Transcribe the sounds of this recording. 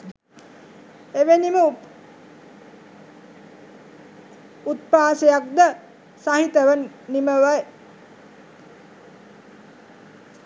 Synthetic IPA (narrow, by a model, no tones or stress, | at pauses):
eʋenimə | ut̪̚paːsejak̚d̪ə | saɦit̪əʋənːiməʋəj